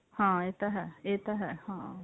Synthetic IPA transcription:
hãːet̪ɐɦɛet̪aɦɛhãː

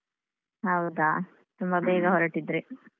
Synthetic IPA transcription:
ɦɐwd̪a | t̪umbɐbɛːɡɐɦɔɾɐʈid̪ɾi

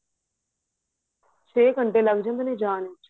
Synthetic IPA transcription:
t͡ʃʰeːkəɳʈeːləɡd͡ʒə̃nd̪neːd͡ʒaːnet͡ʃ

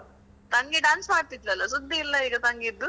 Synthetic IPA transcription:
t̪ɐŋɡeɖaːnsmaːɽt̪it̪lɐlːɐsud̪ːɐilːɐiːɡɐt̪ɐŋɡeid̪ːu

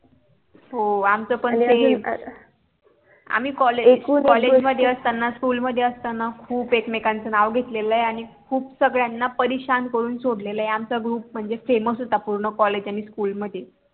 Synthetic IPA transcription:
ɦoamt͡səːpəɳe | a̰miːkɔleunkɔled͡ʑməd̪ʱjeəst̪anːaskuːlməd̪ʱjeəst̪anakʰuːpekmekãnt͡sənaʋɡʱet̪leləeaɽ̃ikʰuːpsəɡɭjanːapəɾiɕankəɾuːnsoɽleləjeamt͡saɡɾuːp̚m̤əɳd͡zefeməsɦot̪apuɾɳəkɔled͡ʑaɽ̃iskuːlməd̪ʱje

